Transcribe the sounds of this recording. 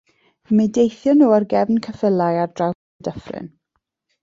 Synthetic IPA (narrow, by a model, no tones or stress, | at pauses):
midejθjɔnuːarɡɛvnkʰəfəlˠajardraw | dəfrɪ̰n